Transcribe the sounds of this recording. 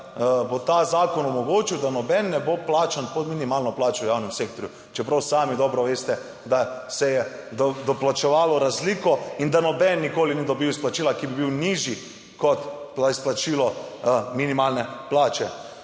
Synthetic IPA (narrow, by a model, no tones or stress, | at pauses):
bot̪azaːkɔnɔmɔɡoːt͡ʃiwd̪anɔbɛnːɛboplaːt͡ʃanpɔd̪minimaːlnɔplaːt͡ʃɔwjaːwnɛmseːkt̪ɔɾju | t͡ʃɛpɾawsaːmid̪ɔːbɾɔʋeːst̪ɛ | d̪asɛjɛ | d̪ɔd̪ɔplat͡ʃɛʋaːlɔɾazliːkɔind̪anɔbɛnːikoːlinid̪ɔbiwisplat͡ʃiːlakibibiwniʒji | kɔt̪plaisplat͡ʃiːlɔminimaːlnɛplaːt͡ʃɛ